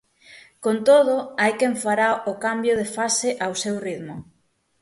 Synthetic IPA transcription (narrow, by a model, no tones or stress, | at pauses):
kont̪oð̞oajkeɱfaɾaokambjoð̞efaseʔawsewriðmʊ